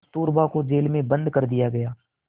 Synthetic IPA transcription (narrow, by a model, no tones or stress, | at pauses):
t̪uːɾbakod͡ʒeːlmẽbə̃nd̪kəɾd̪ɪjaɡɐjaː